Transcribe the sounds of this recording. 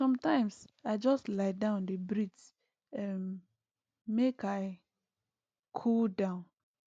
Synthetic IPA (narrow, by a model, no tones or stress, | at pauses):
sɔ̃mtãɪ̃msaɪd͡ʒɔstlaɪdãʊ̃ndəbɹid | ɛmː | ekaɪ | kʰuldãʊ̃n